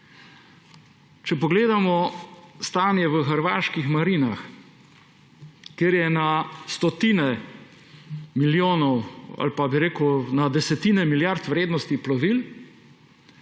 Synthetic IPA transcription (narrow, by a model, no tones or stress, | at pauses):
t͡ʃɛpɔɡleːd̪amɔst̪aːnjɛʋəxəɾʋaːʃkixmaɾinax | keːɾjɛnast̪ɔt̪iːnɛ | miljoːnɔwa̰lpabiɾeːkwnad̪ɛsɛt̪iːnɛmiljaɾt̪ʋɾeːd̪nɔst̪iplɔʋil